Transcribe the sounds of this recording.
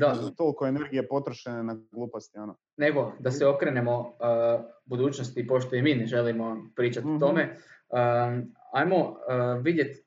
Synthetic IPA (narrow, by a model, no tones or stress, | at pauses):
d̪at̪olkoene̞ɾɡijepo̞t̪ɾoʃenenaɡlˠuːpost̪iono | ne̞ɡo̞d̪aseo̞kɾe̞nemo̞ | bud̪uːt͡ʃnost̪ipo̞ʃt̪ojimiːneʒe̞limo̞pɾiːt͡ʃat̪ot̪o̞me̞əajmo̞ʋid̪je̞t̪